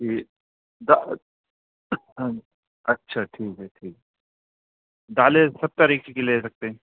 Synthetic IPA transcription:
iː | d̪a | ɐtːʃʰaʈʰiːkɦɛʈʰiːkɦɛ | d̪aːlesɐb̚t̪ɐɾiːkekeleːsɐk̚t̪eɦɛ̃

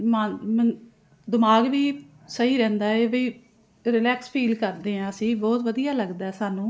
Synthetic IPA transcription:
mamən | d̪ɪmaːɡʋiː | səɦiːɾɛ̃ːnd̪aːeːbiː | ɾɪlɛːkspʰiːlkəɾd̪eːɦãːəsĩːbɔːt̪ʋəd̪ijaːləɡd̪aːɛːsaːnũː

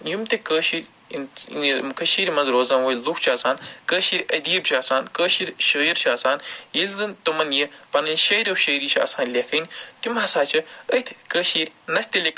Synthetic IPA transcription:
jumt̪ekəːʃiːɾʲ | nkɐʃiːɾʲmɐzɾoːzɐːnwojlukʰt͡ʃʰaːsaːnkəːʃiːɾʲɐd̪iːb̚t͡ʃʰaːsaːnkəːʃiːɾʲʃɐiɾt͡ʃʰaːsaːnjilʲzɨnt̪ɨmɐnjipɐnɐnʲʃɐjɾʲɐwʃəjɾiːt͡ʃʰa̰ːsaːnlʲekʰɐnʲt̪imɦɐsaːt͡ʃʰɐət̪ʰkəːʃiːɾʲnɐsʲt̪ʲilʲek

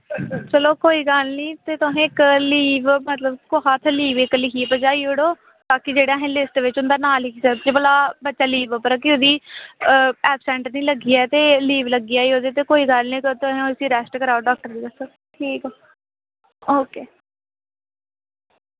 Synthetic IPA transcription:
t͡ʃəloːkoːiːɡəlniːt̪eːt̪ʊɦẽːɪkliːʋmət̪ləbkoɦaːt̪ʰliːʋɪklɪkiːpəd͡ʒaːiːʊɽoː | t̪aːkɪd͡ʒeːɽãːɦɛ̃ːlɪsʈʋɪt͡ʃʊnd̪aːnaːlikisət͡ʃebəlaːbətːʃaːliːʋpəɾkɪʊd̪iː | ɛːpsɛ̃ːɳʈəɾnĩːləɡiːɛːt̪eːliːʋləɡijaːiːoːd̪et̪eːkoːiːɡəlnĩːkt̪ʊɦẽːʊsiːɾɛːsʈkəɾaːoɖaːk̚ʈəɾd̪iːd̪əsə | ʈʰiːkɛ | oːkeː

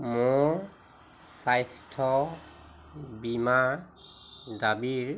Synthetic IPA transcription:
mʊ | sajstʰɔ | bima | dabiɹ

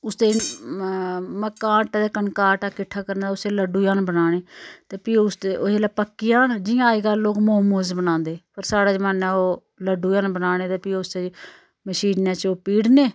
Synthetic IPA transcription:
ʊst̪eː | məkãːʈːd̪eːkənkaːʈaːkɪʈʰːaːkəɾnaʊst̪eːləɖuːjãːnbənaːɽeːt̪eːpiːʊst̪eoeːlaːpəkːiːaːnd͡ʒɪjãːeːɡaːloːkmoːmuːzbənãːnd̪eːpəɾsaːɽaːd͡ʒəmaːnaːoː | ləɖuːjãːnbənaːɽ̃eːt̪eːpiːʊst̪eː | məʃiːnãːt͡ʃoːpiːɽneː

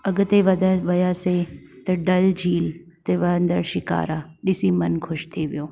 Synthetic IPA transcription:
ɐɡʊ̆t̪eʋɐd̪ʱaʋɐjaset̪ɐɖɐld͡ʑʱiːlt̪eʋɐnd̪əɾʃɪka̰ːɾaɗɪsimɐnkʰʊʃt̪ʰiʋijoː

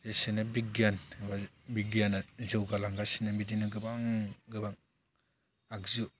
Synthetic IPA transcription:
zesenabiɡianbabiɡianazɯwɡalaŋɡasinabidinɯɡɯbaŋɡɯbaŋ | akzu

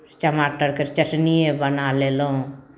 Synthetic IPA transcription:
t͡ʃəmaʈəɾkeɾt͡ʃəʈnijebənaleloũ

